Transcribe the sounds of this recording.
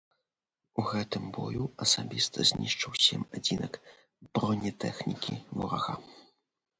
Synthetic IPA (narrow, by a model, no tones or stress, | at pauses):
uɣɛt̪ɨmbɔ̰juɐsabʲist̪ɐzʲnʲiʂt͡ʂɐwsʲɛmad͡zʲinɐk | bɾɔnʲɛt̪ɛxnʲikʲḭvɔɾa̰ɣa̰